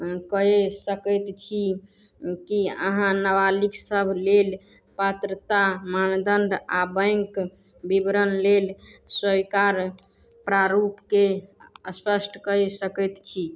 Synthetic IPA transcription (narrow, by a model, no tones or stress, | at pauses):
kəɦesəkəjt̪t͡ʃʰi | kiə̰ɦãnəwaliksəbʱlel | pət̪ɾət̪amand̪ənɖabə̃jŋk | bibɾənlelswəikaɾ | pɾaɾupkeəspəsʈʰkəɦesəkət̪t͡ʃʰi